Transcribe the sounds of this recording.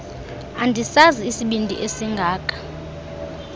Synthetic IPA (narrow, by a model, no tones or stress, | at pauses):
andʱisaziːsiɓindʱḭʔesiŋɡʱaːkʼḁ